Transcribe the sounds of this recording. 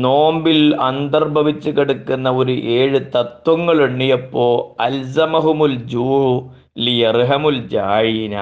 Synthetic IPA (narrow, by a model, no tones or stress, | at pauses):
no̞ːmbilɐnd̪ɐrbʱɐʋit͡ɕːukiɽukːunːɐo̞ɾuʔe̞ːɻɨt̪ɐt̪wɐŋːɐɭeɳːijɐpːo̞ːɐlzɐmɐɦumuld͡ʑuːhu | lijɐrɦɐmuld͡ʑaːjinɐ̰